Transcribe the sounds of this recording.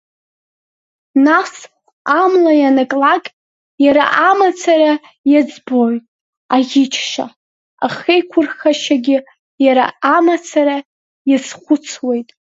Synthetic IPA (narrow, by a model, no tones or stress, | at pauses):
nas | amlajanakʼlakʲʼ | jaɾa̰ʔamat͡sʰaɾa | jad͡zbojtʼ | aʁɪt͡ʃʰʃa̰ | aχejkʷʰʊrχaʃaɡʲɪ | jaɾa̰amat͡sʰaɾa | jazχʷʊt͡sʰwe̞jtʼ